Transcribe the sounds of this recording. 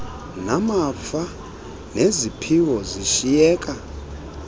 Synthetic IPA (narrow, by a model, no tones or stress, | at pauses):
namapfa | nezipʰiwɔziʃijɛːkʼa